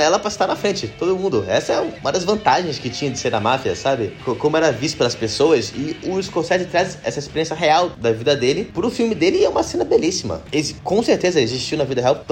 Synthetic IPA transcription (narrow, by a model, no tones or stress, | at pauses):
ɛlɐpɾɐst̪aɾnɐfɾẽnt͡ʃɪt̪od̪ʊmũnd̪ʊɛsɐɛuũmɐd̪ɐzvɐ̃nt̪aʒẽj̃skɪt͡ʃĩɲɐ̃d͡ʒ̪ɪseɾnɐmafiɐ̰sabɪkokõmʊɛɾɐvist̪ʊpelɐspesoɐsɪʊiskoɾsɛt͡ʃɪt̪ɾazɛ̰sɐɪispeɾiẽsɐɦeawd̪ɐvid̪ɐd̪elɪpɾʊfiwmɪd̪elɪɛũmɐsẽnɐbelisimɐ̰eɪkõseɾt̪ezɐelɪziʃt͡ʃiwnɐvid̪ɐɦeawt̪